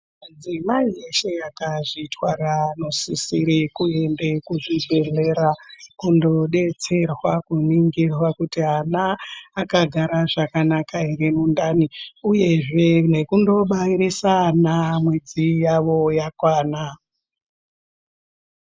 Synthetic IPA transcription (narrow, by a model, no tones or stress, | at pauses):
ad͡zimaie̞ʃe̞jakaʐitwarano̞sisiɾikuembe̞kuʐibʱe̞ɮe̞ɾakundo̞ɗe̞t͡se̞rwakuniŋɡirwakutianaːkaɡʱaɾaʐakanakaeremundaniuje̞ʐe̞ne̞kundo̞ɓaiɾisanamwe̞d͡zijaʋo̞jakwaːna